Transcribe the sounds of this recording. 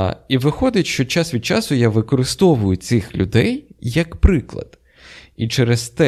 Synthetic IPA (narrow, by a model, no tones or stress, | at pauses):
iʋɪxɔd̪ɪtʲʃt͡ʃɔt͡ʃasʋʲid̪̚t͡ʃasʊjaʋɪkɔɾɪst̪ɔʋʊjʊt̪sʲɪxlʲʊ̰d̪ɛjːɐkpɾɪklˠɐ̰d̪̥ | it͡ʃɛɾezt̪ɛ